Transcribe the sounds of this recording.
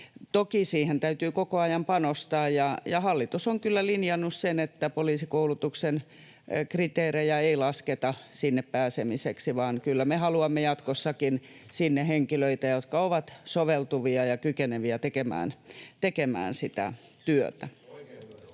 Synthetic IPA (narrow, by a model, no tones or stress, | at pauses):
t̪okisiːhent̪æyt̪yːkokoɑjɑmpɑnost̪ɑːjjɑjɑhɑlːit̪usoŋkylːælinjɑnːussenet̪ːæpoliːsikoulut̪uksen | krit̪eːrejæeilɑsket̪ɑsinːeppæːsemiseksiʋɑːnkylːæmehɑluɑmːejɑt̪kosːɑkinsinːeheŋkiløit̪æjot̪kɑoʋɑt̪soʋelt̪uʋiɑjɑkykeneʋiæt̪ekemæ̰ːnt̪ekemæ̰ːnsit̪æ̰t̪yøt̪æ